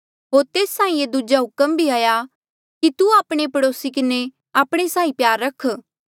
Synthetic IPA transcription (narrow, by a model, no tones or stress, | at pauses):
ɦoːɾt̪eːstãːĩed̪ud͡ʒaɦʊkəmbʱiaːja | kit̪uaːpɽ̃epɐɽoːsikɪne | aːpɽ̃esãːĩpjaːɾːɐkʰ